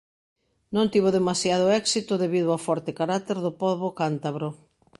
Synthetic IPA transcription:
nõnt̪iβʊðemasjað̞ʊɛksit̪ʊðeβiðʊafɔɾt̪ekaɾat̪eɾðʊpɔβokant̪aβɾo

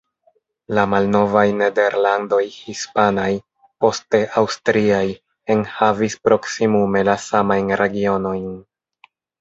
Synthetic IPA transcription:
lamalno̞vajne̞de̞ɾlando̞jhispanaj | po̞ste̞ʔawstɾiaj | enhavispɾo̞ksimume̞lasamajnɾe̞ɡio̞no̞jn

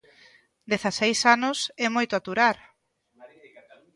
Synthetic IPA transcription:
d̪eθasejsanʊsɛmojt̪oat̪uɾaɾ

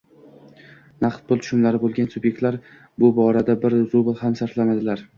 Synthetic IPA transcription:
naqt̪̚pʰʊlt̪ʰʊ̥ʃɪmlaɾɪbolˠɡʲansʊbje̞k̚ʲt̪laɾ | bʊbɒɾad̪abɪɾzobɪlˠhamsaɾt̪lanad̪ɪlaɾ

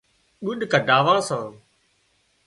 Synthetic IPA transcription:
ɗʊɗkəɖaːʋãːsãː

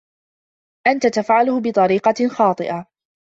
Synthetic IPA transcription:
ʔant̪at̪afʕalʊhʊbɨt̪ˤɑɾiːqɑxɑːt̪ˤɨʔa

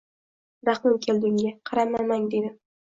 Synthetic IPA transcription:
ɾaχmɪmkʲʰe̞ld̪ɪŋɡʲaqʰɑɾamamaŋd̪e̞d̪ɪ

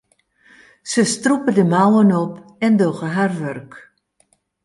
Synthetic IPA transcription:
səstrupədəmawənɔpɛndoɣəɦarʋørk

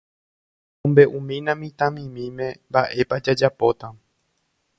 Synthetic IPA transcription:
ũmbe̞ʔũmĩnãmĩt̪ãmĩmĩmẽ̞mbaʔe̞pad͡ʒad͡ʒapo̞t̪a

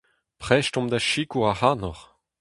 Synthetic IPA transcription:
pχɛʃtɔ̃md̪aʃikuahanɔʁ

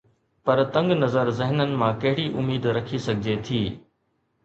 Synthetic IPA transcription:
pɐɾt̪ɐ̃ŋɡnɐzəɾzɪɦnənɪ̆mãkɐɦɪɽiʔʊmiːd̪ɾɐkʰisɐɡʱɪd͡ʑet̪ʰiː

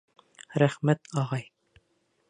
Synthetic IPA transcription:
ɾæχmæt̪ɑʁɑj

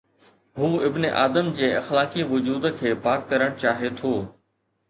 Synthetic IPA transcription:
ɦuːɪbneʔaːd̪əmd͡ʑeːɐxlaːkiʋʊd͡ʑuːd̪kʰeːpaːkːɐɾəɽ̃t͡ɕaːɦet̪ʰoː

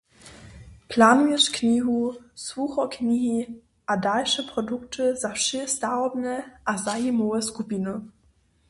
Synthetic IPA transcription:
pʰlanɡɪʃkniːɦusvuːxɔkniːɦi | ʔadalʃəpʁ̥ɔdʊktʰəzafʃistaʊbnəʔazajimoəskupinə

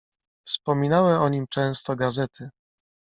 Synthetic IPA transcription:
fspɔmʲinawɛɔɲimt͡ʂɛ̃w̃st̪ɔɡazɛt̪ʰɘ

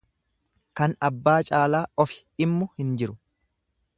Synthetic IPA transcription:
kɐnɐbːaːt͡ʃʼaːlaːɔfɪ̥ɪmːʊhɪnd͡ʒɪɾʊ

